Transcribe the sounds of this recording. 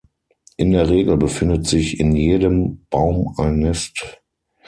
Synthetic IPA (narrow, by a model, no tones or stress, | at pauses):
ʔɪndeːɐʁeːɡl̩bəfɪndətz̥ɪçɪnjeːdəmb̥aʊmalnːɛst